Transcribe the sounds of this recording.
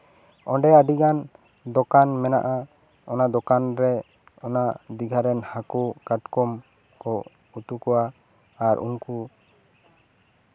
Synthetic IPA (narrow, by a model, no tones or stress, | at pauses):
ɔɖɛaɖiɡan | d̪ɔkanmɛna̰ʔa | ɔnad̪ɔkanɾɛ | ɔnad̪iɡʱaɾɛnhakukaʈkɔm | kɔ | ut̪ukɔwaː | ɾʔṵnku